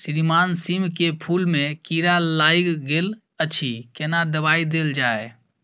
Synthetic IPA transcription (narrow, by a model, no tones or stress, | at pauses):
sɪɾimaːnsimkepʰulmẽkiɾalaiɡɡel | ət͡ʃʰikɛnad̪əbaid̪eld͡ʒaːe